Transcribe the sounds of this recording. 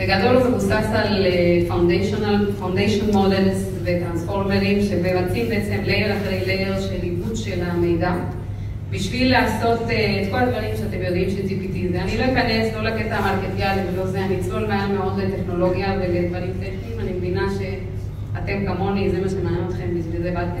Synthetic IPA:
veɡad̪o̞lvemusasalefawnd̪eʃonalfawnd̪ejʃonmo̞d̪elz | vet̪ʁansfo̞ʁmeʁimʃebevat̪imbeet͡semlevlaχeleɡleɡeʁʃelːibudʃe̞lamejd̪a | biʃvilːaːso̞t̪ːt̪ko̞lad̪vaʁimʃeat̪emjo̞d̪imʃeltipit̪izeanilo̞mekane̞slo̞laket̪aːmaʁket̪ijalivelo̞zeanit͡solmajameo̞d̪let̪eχno̞lo̞ɡjaveled̪vaʁimtetimanimevinaʃe̞ | at̪e̞mkamo̞nizemaʃemananot̪χe̞mbiʃvilzebate

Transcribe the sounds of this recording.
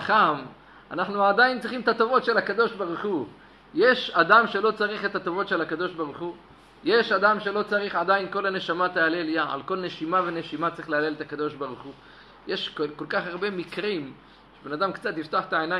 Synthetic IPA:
aχam | a̰naχnuad̪ajint͡sʁiχimet̪at̪ovo̞t̪ʃe̞lakad̪o̞ʃbaʁuχu | jeʃad̪amʃe̞lo̞t͡saʁiχet̪at̪ovo̞t̪ʃelakad̪o̞ʃbaʁuχu | jeʃad̪amʃe̞lo̞t͡saʁiχad̪ajinko̞lane̞ʃamat̪aaleljaa̰lko̞lne̞ʃimavene̞ʃimat͡sɐʁiχleale̞let̪akad̪o̞ʃbaʁuχu | je̞ʃkko̞lkaχaʁbe̞mikʁim | ʃebenad̪amkt͡sat̪ift̪oaχe̥t̪aena

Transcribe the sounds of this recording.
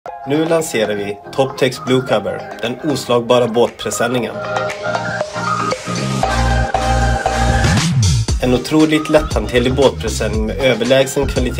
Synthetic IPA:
nʉ̟ːlanseːɾaɾvɪt̪ʰɔpt̪ʰɛksblʉːkʰavə̰ɾd̪̥ɛnuːslɑːɡ̚bɑːɾaboːt̪̚pʰɾɛsɛnːɪŋə̰n | ɛnʊt̪ʰɾuːlɪɡ̚t̪lɛt̪ʰːant̪ʰɪlɪboːt̪̚pʰɾɛsɛnːɪŋmɛ̰ːøːvəɭɛːɡsənkʰvalɪt̪ʰ

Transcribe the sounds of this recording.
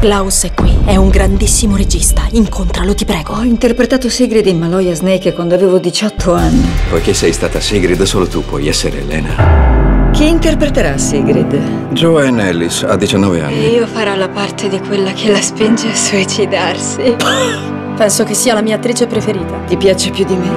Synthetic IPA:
klawsɛkːwiɛuŋɡɾand̪isːimoɾed͡ʒist̪aiŋkont̪ɾalot̪ipɾɛːɡoɔint̪erpɾet̪aːt̪osiɡɾid̪imːalɔjaznɛjkekːwand̪oaveːvod̪it͡ʃɔt̪ʰːoanːipojkesːɛjst̪aːt̪asiɡɾid̪soːlot̪upːwɔ̰jɛsːeɾḛḛlɛ̰ːna̰ | k̟iːnt̪erpɾet̪eɾasiɡɾid̪d͡ʒoɛnɛlːisa̰d̪ːit͡ʃanːɔvea̰nːiiːofaɾɔlapart̪ʰed̪ikwelːakʰelːaspind͡ʒeasuit͡ʃid̪arsi | pɛnsok̟esːiːalamiːaːt̪ːɾiːt͡ʃepɾefeɾiːt̪at̪ipjaːt͡ʃepjud̪ime

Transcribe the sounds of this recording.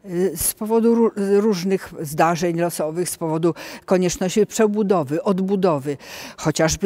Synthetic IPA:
spɔvɔd̪uuɾuʐnɘxzd̪aʐɛɲlɔsɔvɘxspɔvɔd̪ukɔɲɛt͡ʂnɔɕt͡ɕipʂɛbud̪ɔvɘʔɔd̪bud̪ɔvɘxɔt͡ɕaʐb

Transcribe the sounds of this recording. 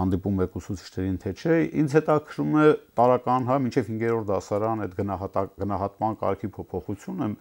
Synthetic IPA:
ɑnd̪ipumɛkusut͡sʰi̥t͡ʃʰnɛɾint̪ʰɛt͡ʃʰɛind͡zhɛt̪ɑkʰəɾumɛt̪ɑɾɑkɑnɦɑmint͡ʃʰɛvhiŋɡɛɾɔɾt̪̚d̪ɑsɑɾɑnɛd̪ɡənɑt̪ɑɡənɑɦɑt̪mɑnkɑ̰ɾkʰipʰɔpʰɔχut͡sʰjunə

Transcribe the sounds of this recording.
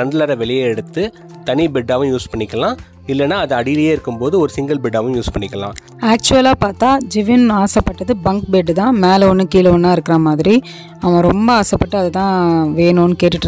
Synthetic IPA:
ɾɐɳɖɯlaːɾɐʋɛɭɪjeɛɽɯt̪ːɯ | t̪ɐnibɛɖːaːʋɐ̃juːspɐɳːɪkːɐlãː | ɪlːɛnːaːɐðɐɐɽɪjɪlɐjeːɪɾɯkːɯmpoːðɯɔɾɯsɪŋɡɐlbɪɖaːʋɐ̃juːspɐɳːɪkːɐlã̰ː | aːk̚t͡ʃʊɐlaːpaːɾt̪aːd͡ʒɪʋɪnaːsɐpːɐʈːɐðɯbɐŋk̚beɖːt̪ãːmeːlɐɔnːɯkiːlɐʋɐnːãːɪɾɯkːɪɾamaːðɪɾi | ɐʋɐ̃ɾɔmbɐaːsɐpːɐʈːɯɐðɐt̪ãːʋeːnoːnːɯkeːʈːɯʈːɾ

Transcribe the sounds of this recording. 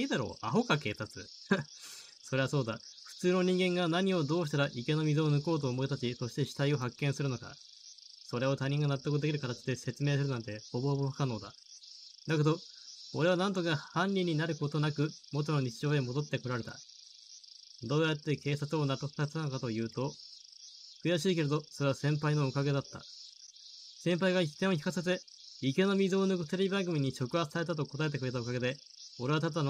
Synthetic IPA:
ed̪aɾo̞̰ːa̰ɦo̞kake̞ːt̪at͡sɨ̰ | so̞ɾe̞βaso̞ːd̪a̰ɸɯ̟̥t͡sɨːno̞ɲ̟ĩŋɡẽ̞ŋɡanaɲ̟io̞d̪o̞ːɕi̥t̪aɾaʔike̞no̞mʲizɨːnɯ̟ko̞ːt̪̬o̞ːmo̞it̪at͡ɕiso̞ɕi̥t̪e̞ɕi̥t̪aio̞ɦakːẽsɨɾɯ̟no̞ka̰ | so̞ɾe̞o̞t̪aɲ̟ĩŋɡanat̪ːokɯ̟d̪e̞kʲiɾɯ̟kat̪at͡ɕid̪e̞se̞t͡sɨme̞ːsɨɾɯ̟nãnt̪ehobohbohakano̞ːd̪a̰ | d̪ake̞d̪o̞oɾe̞β̞anãnt̪̬o̞kahãnʲɾʲiɲ̟ːinaɾɯ̟ko̞t̪o̞nakɯ̟mo̞t̪̬ono̞ɲ̟it͡ɕiʑo̞ːemo̞d̪o̞t̪ːe̞ko̞ɾaɾe̞t̪a̰ | d̪o̞ːjat̪ːe̞ke̞ːsat͡sɨo̞nat̪ːokɯ̟̥kasanokat̪o̞jɯ̟ːt̪o̞ | kɯ̟jaɕiːke̞ɾe̞d̪o̞so̞ɾe̞βasẽ̞mpaino̞okaɡe̞d̪at̪ːa̰ | sẽ̞mpaiɡait̪ːẽ̞oçi̥kaset̪e | ike̞no̞mʲizo̞ːnoɡt̪eɾʲibãŋɡɯ̟mʲiɲ̟ːiɕo̞kɯ̟ɦat͡sɨ̥saɾe̞t̪̬at̪o̞ko̞t̪ae̞t̪̬ekɯɾe̞t̪aokaɡe̞d̪e̞ | o̞ɾe̞βat̪at̪̬ːn

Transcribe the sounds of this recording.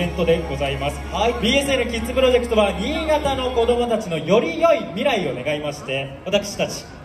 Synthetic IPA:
ẽ̞nt̪o̞d̪e̞ɡo̞zaimasɨ̥haibʲiːe̞sɨeɾɯ̟kʲit͡sɨpɯ̟ɾo̞ʑe̞kɯ̟t̪o̞βaɲ̟iːɡat̪ano̞ko̞d̪o̞mo̞t̪at͡ɕino̞jo̞ɾʲijo̞imʲiɾaio̞ne̞ɡaimaɕi̥t̪e̞βat̪akɯ̟̥ɕi̥t̪at͡ɕi̥

